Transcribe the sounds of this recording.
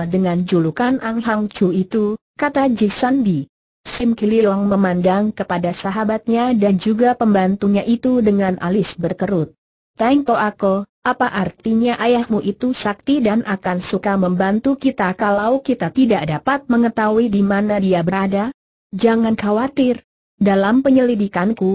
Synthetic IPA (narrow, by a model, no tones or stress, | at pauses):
dəŋand͡ʒulukanʔanɦaŋt͡ʃuit̪u | kat̪ad͡ʒisandi | sɪmkiliɔŋməmandaŋkəpadasaɦabat̪̚ɲadand͡ʒuɡapəmbant̪uɲaʔit̪udəŋanʔa̰lɪsbərkəɾʊt̪̚ː | aiŋkoakoʔapaʔart̪iɲaʔajahmuʔit̪usak̚t̪idanʔakansukaməmbant̪ukit̪akalawkit̪at̪idaʔdapat̪̚məŋət̪auidimanadiabəɾada | d͡ʒaŋankawat̪ɪr | dalampəɲəlidikanku